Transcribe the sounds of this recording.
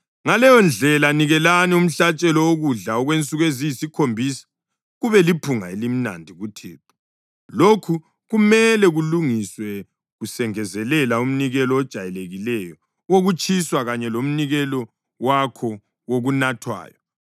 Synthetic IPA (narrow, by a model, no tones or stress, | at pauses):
ŋalɛjɔnd͡ɮʱɛlaniɣɛlanium̩ɬat͡ʃʼɛlɔoɣuɮaɔɣwent͡sʼuɣwezijisikʰombʱisḁ | ɣuβɛlipʰuŋa̰elim̩na̰ndʱiɣutʰḛːpʰu̥ | lokʰu | ɣumɛlɛɣuluŋiswɛ | ɣusɛŋɛzɛlɛlaum̩niɣɛlɔːd̥ʒ̥ʱajɛleɣilɛjɔ | woɣut͡ʃʼʰiswaɣaɲɛlom̩niɣɛlɔ | wakʰɔ | woɣunatʰwa̰ːjɔ